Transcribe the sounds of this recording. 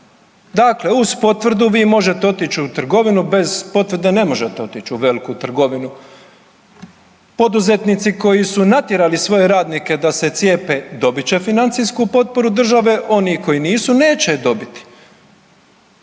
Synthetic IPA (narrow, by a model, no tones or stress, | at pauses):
d̪aːkle̞uzpo̞t̪ʋɾd̪uʋiːmo̞ʒe̞t̪eo̞t̪it͡ɕut̪r̩ɡo̞ʋinube̞zpo̞t̪ʋrɾd̪ene̞mo̞ʒe̞t̪eo̞t̪it͡ʃuʋe̞likut̪r̩ɡo̞ʋinu | po̞d̪uze̞t̪nit̪siko̞jisunat̪jeɾalisʋo̞je̞ɾaːd̪nike̞d̪ase̞t̪sje̞ːpe̞d̪o̞bit͡ɕe̞finant̪sijskupo̞t̪̚po̞ɾud̪r̩ʒaʋe̞ʔo̞niko̞jiniːsuneːt͡ɕe̞d̪o̞bit̪i̥